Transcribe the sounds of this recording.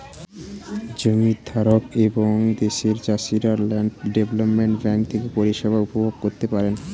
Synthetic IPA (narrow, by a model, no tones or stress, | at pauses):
d͡ʑomid̪ʱaɾokeboŋd̪eʃeɾt͡ɕaʃiɾaɾlaɳɖeblopmeɳʈbɛŋk̚t̪ʰekepoɾiʃebʱaupobʱob̚koɾt̪epaɾen